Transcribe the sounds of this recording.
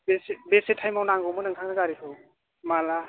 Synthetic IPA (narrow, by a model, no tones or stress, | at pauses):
besbesetʰajmawnaŋɡɔwmɯnɯŋtʰaŋnɯɡaɾikʰɯw | mala